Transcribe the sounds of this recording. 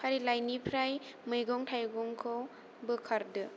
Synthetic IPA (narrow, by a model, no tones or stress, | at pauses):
pʰaɾilajnipʰɾajmɯjɡɔŋtʰajɡɔŋkʰow | bɯkʰaɾdɯ